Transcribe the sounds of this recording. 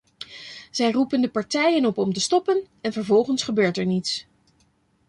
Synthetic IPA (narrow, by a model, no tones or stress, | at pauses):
z̥ɛjrupəndəpɑɹtɛjənɔpɔmtəstɔpən | ɛnvəɹvɔlˠχənsχəbøːɹtɛɹnits